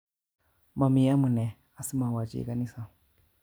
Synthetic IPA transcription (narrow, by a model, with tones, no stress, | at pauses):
ma˨mi˨ja˦mu˨nɛ˨ | a˦˨si˦ma˨wa˨d͡ʒḭ˨ka˦ni˦sa˨